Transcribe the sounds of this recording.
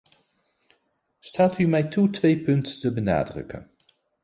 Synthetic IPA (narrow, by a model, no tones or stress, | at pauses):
staːtymɛjtutʋejpɵnttəbəna̰ːdrɵ̰kə̰n